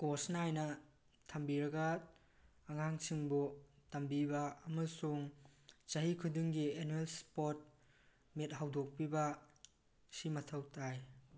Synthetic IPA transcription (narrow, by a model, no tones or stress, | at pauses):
kosnajnɐ | tʰambiɾɐɡɐː | ŋaŋsʰiŋbutambibɐːmɐsuŋt͡ʃɐɦikʰudiŋɡienuelspot̚ | met̚ɦawdok̚pibɐ | simɐtʰɐwtʰaj